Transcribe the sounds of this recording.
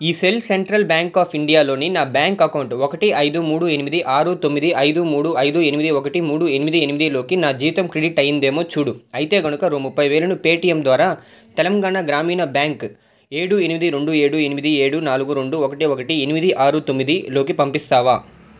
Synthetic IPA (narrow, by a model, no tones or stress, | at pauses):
iːselseɳʈɾɐlbjaːŋkaːpiɳɖijaːlo̞ːninaːbjaːŋkɐkɐwuɳʈɔkɐʈiɐjd̪umuːɽue̞nimid̪iʔaːɾut̪omːid̪iʔɐjd̪umuːɽuɐjd̪ue̞nimid̪iɔkɐʈimuːɽue̞nimid̪ienimid̪ilo̞ːkinaːd͡ʒiːʋit̪ɐmkɾeɽiʈɐjind̪eːmo̞ːt͡ʃuːɽuɐjit̪e̞ːɡɐnukɐɾumupʰːɐjʋeːlɐnupe̞ːʈijɐmd̪ʋaːɾaː | t̪ɛlɐŋɡaːɳaɡɾaːmiːnɐbjaːŋk | e̞ːɽue̞nimid̪iɾe̞ɳɖue̞ːɽue̞nimid̪ie̞ːɽunaːluɡuɾeɳɖuɔkɐʈiɔkɐʈienimid̪iʔaːɾut̪o̞mːid̪ilo̞ːkipɐmpist̪aːʋaː